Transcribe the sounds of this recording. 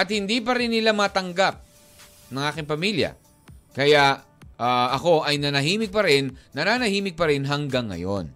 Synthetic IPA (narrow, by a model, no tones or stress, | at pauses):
ʔɐt̪̚hɪnd̪ip̬ɐɾɪnːɪlamɐt̪ɐŋɡap̚ | nɐŋʔaːkɪŋpɐmiljɐ̰ | kɐjaʔ | aɐko̞ʔɐjnɐnɐɦiːmɪɡ̚pɐɾɪnːɐnaːnɐhiːmɪɡ̚pɐɾɪnɦɐŋɡaŋːɐ̰jo̞̰n